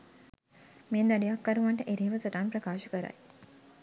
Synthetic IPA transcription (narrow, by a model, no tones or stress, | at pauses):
meːnd̪aɖijakːaɾuʋaɳʈəʔeɾeːʋəsoʈaːnpɾɐkaːʃəkəɾa̰j